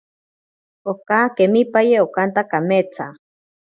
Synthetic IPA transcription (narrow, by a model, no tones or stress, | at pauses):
okakemipajeokant̪akamet͡sa